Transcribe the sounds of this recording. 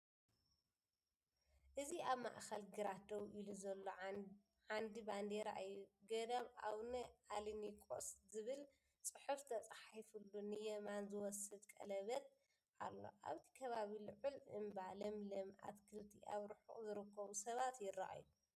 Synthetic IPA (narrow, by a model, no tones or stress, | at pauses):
ʔɨziaβma̰ʔxɐlɡɨɾad̪ɐwʔɨluzɐlːo | ʕand̪iband̪eɾaʔajːuɡɐd̪ɐβʔa̰wnɐʔalɨnikʼo̰szɨβɨl | t͡sʼɨħuft̪ʰɐt͡sʼaħifulːunɨjɛmanzɨwɔsɨd̪kʼɐ̰lɐβɐt̪ | ʔa̰lːo̞̰ʔa̰βt̪ʰi̥kʰɐβaβilɨʕulʔɨ̰mbalɐmlɐmʔa̰t̪kʰɨlt̪ʰḭʔaβɾɨħṵʔzɨɾɨkʰːɐβusɐβat̪jɪra̰ʔa̰ju